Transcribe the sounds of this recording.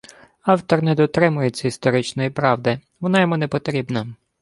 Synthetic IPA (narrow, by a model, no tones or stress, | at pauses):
ɑwt̪ɔrnɛd̪ɔt̪ɾɪmʊjet͡sʲːɐist̪ɔɾɪt͡ʃnɔjipɾɑwd̪ɪ | ʋɔnɑjɔmunɛpɔt̪ɾʲibnɐ